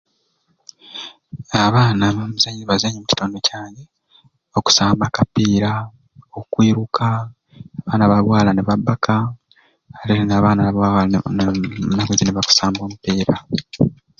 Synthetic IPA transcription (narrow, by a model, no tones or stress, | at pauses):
aβaːnamuzaɲiβazaɲimuci̥toːndo̞caːɲe | oku̥saːmbakapːiːɾa | okwiːɾukʰa | aβaːnaβalwaːlaneβabːakʰaː | ɾeɾnaːβaːnawa | naɡezineβaku̥saːmbo̞ːmupiːɾa